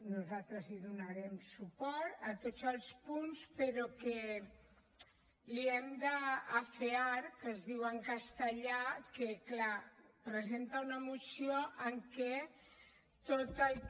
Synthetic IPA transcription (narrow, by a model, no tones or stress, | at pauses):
nuzalt̪ɾəziðunaɾɛmsupɔɾt̪ət̪ozəlˠspunspəɾɔke | liɛmd̪əːfeaɾkəzðiwəŋkast̪əʎakeklapɾəzent̪aunəmusioʔəŋkɛ | t̪ot̪əlˠ